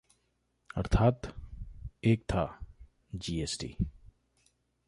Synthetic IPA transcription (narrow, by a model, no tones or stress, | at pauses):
ə̰ɾt̪ʰaːt̪ | eːk̚t̪ʰa | d͡ʒiːeːsʈḭː